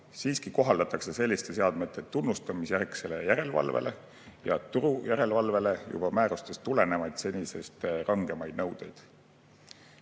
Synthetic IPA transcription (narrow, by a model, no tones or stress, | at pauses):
siːskiko̞ɦɑld̪̥ɑt̪ːˑɑkse̞se̞lʲːist̪e̞se̞ɑd̪̥me̞t̪ːˑe̞t̪ːunːust̪ɑmisjærkse̞le̞jæɾe̞lvɑ̰lvḛlʔe̞ | jɑ̰t̪uɾujæɾe̞lvɑlve̞le̞jṵb̥ɑmæːɾust̪e̞st̪ule̞ne̞mɑjd̪̥se̞nʲise̞̰st̪rʔɑŋɡ̥e̞mɑjd̪̥nɤwd̪̥e̞jd̪̥